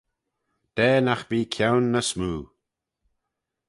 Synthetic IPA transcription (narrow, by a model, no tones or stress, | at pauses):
d̪̥ɛːnaxb̥iːkʰawnːəsmuː